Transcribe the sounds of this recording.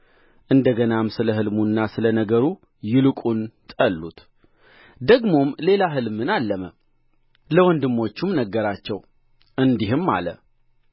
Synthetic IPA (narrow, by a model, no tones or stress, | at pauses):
ʔɨnd̪əɡənamsɨləɦɨlmunːasɨlənəɡəɾu | jɪlɨkʼunt̪ʼəlːut̪ | d̪əɡmo̞mle̞laɦɨlmɨnalːəmə | ləwɔnd̪ɨmːo̞t͡ʃːumnəɡːəɾat͡ʃːɛw | ʔɨnd̪iɦɨmːa̰lə̰